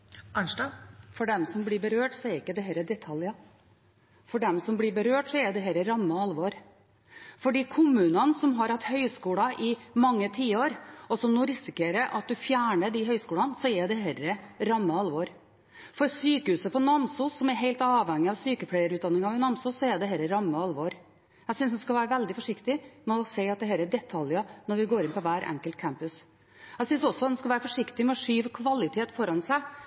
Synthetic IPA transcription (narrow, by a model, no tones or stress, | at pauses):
æɳʂʈɑfɔɖɛmsɔmblɪɾbəɾøːʈsɔɛɾɪkːəd̪ɛɦɛɾəd̪ɛt̪ʰɑljɑ | fɔɖɛmsɔmblɪbəɾøːʈsɔɛd̪ɛɦɛɾəɾɑmːəɑlʋoːɾ | fɔɖiːkʰʊmːʉːnɑnsɔmɦɑɾɑt̪ːhœʏskuːlɑʔɪmɑŋːət̪ʰiːəoːɾɔsɔmnuːɾɪsɪkeːɾəɾʔɑ̰t̪̚d̪ʉfjæːɳəɖ̪iɦœʏskuːlɑnsɔɛd̪ɛhɛɾəɾɑmːəɑlːʋoːɾ | fɔɾsyːkəhʉːsəpɔnɑmsusːɔmɛɾɦeɪlt̪ɑːʋhɛŋːɪɑʋsyːkəpʰlæɪəɾʉt̪d̪ɑnːɪŋɑɪnɑmsuːsːɔɛɖ̪ɛɦɛlːəɾɑmːəɑlːʋoːɾ | æɪsʏnsd̪ɛskɑʋæːɾəʋɛld̪ɪfɔʂɪkt̪ɪmɛɔseɪɑt̪d̪ɛhɛːɾəɖ̪ɛt̪ʰɑljɑnɔɾʋɪɡoːɾɪnpɔʋæːɾʔɛ̰ŋkəlt̪̚kʰæmpʉs | æɡsʏnsɔsɔɑt̪ɛnskɑʋæːɾəfɔʂɪkt̪ɪmɛɔʂyːʋkʰʋɑlːɪt̪ʰeːt̪fɔɾɑnsæɪ